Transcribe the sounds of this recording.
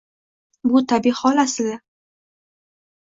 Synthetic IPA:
bʊt̪ʰabihɒlasɪla

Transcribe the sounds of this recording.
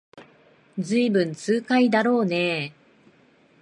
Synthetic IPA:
d͡zɨibɯ̟̃nt͡sɨːkaid̪aɾo̞ːne

